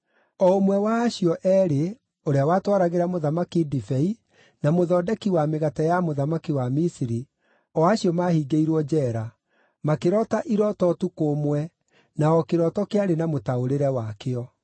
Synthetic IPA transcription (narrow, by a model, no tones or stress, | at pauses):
ɔomwɛwaːɕiɔʔɛɾe | oɾeawaːtwaɾaɣeɾamoðamakidifɛi | namoðɔdɛkiwameɣatajamoðamakiwamisiɾi | ɔaɕiɔmahiːɡeiɾwɔd͡ʒɛɾa | makeɾɔtaʔiɾɔtɔtukomwɛ | naɔkeɾɔtɔkeaɾenamotaoɾeɾɛwakeɔ